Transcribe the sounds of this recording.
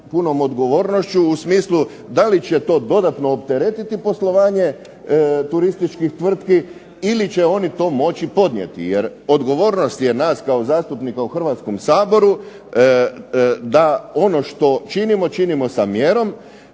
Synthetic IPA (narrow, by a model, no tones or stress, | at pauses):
puno̞mod̪ɡo̞ʋo̞ːɾno̞ʃt͡ɕuːsmiːslˠu | d̪alit͡ɕet̪o̞ːd̪o̞d̪at̪noːpt̪e̞ɾet̪it̪ipo̞slˠo̞ʋaːɲe̞ | t̪uɾist̪it͡ʃkixt̪ʋr̩t̪ki | ilit͡ɕe̞o̞nit̪o̞ːmo̞t͡ɕipo̞d̪nʲjḛt̪ḭjeɾo̞d̪ɡo̞ʋo̞ːɾno̞st̪je̞naːskao̞zaːst̪upnikauxr̩ʋat̪sko̞msaːbo̞ɾu | d̪ao̞no̞ʃt̪o̞t͡ʃinimo̞t͡ʃinimo̞samjeɾo̞m